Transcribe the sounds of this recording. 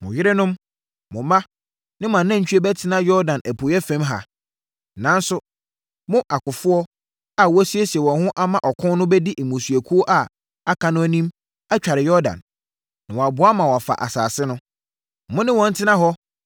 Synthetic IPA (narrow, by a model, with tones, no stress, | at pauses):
mʊ̰̃˨jɪ˦ɾɪ˦nʊ̃˦m | mʊ̃˨mã˦ | nɪ̃˦m˨ã˨nːã˦ɲ̩˨t͡ɕʰᶣɥe˦bɛ˦tʰɪ˦nã˦jɔ˦ɾdã˨nʔæ˨pʰʊ˨˦ɛ˦fɛ̃˦mɦa̰˨ | nã˨˦n˦sʊ˦ | mʊ̃˦ʔa˨kʊ˨fʊ˦ɔ˦ | a˨wsi˦e˦si˨ɛ˨wɔ̃˨nhʊ̃˦ʔa˦mã˨ʔɔ˨kʰʊ̃˦nnʊ̃˦bɛ˦dɪ˦ʔɛ˨mũ˨sɥæ˨kʰu˦o˦ʔa˨ | a˦kʰã˨nʊ̃˦æ˦nĩ˦m | a˦t͡ɕᶣa˨ɾɪ˨jɔ˦ɾdã̰˨n | nã˨wɔ˨a˨bʊ˨˦a˦mã˨wɔ˨fa̰˨ʔa̰˨sa̰ː˨sɪ˦nʊ̃˦ | mʊ̃˦nɪ̃˦wɔ̃˨n̩˦tʰɪ˦nã˦ɦɔ˦